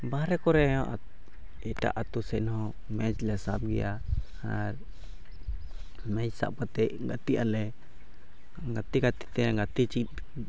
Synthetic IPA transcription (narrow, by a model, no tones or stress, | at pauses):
baɾɛkɔɾɛʔa̰ | ita̰ʔat̪usɛnɔ | mɛd͡ʒlasab̚ɡḭaha̰ | mɛd͡ʒsa̰pat̪ɛɡat̪iʔalɛ | ŋɡat̪iɡat̪i̥t̪ɛŋɡat̪it͡ʃi